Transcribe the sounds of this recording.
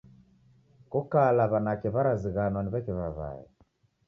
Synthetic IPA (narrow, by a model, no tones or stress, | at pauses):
kukalaβanakɛβaɾaziɣanwaniβɛkiβaβa̰ɛ̰